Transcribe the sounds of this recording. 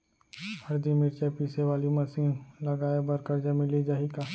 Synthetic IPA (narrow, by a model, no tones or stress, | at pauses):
hɐɾd̪imɪɾt͡ʃapiːseʋaːlimɐsiːnlɐɡaːebɐɾkəɾd͡ʒamɪlid͡ʒaːɦikaː